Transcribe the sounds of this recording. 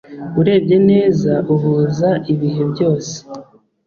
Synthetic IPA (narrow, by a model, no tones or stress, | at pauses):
uɾe̞ːbɟe̞ne̞ːzaʔuβuːzaʔiβiɦebjo̞ːse̥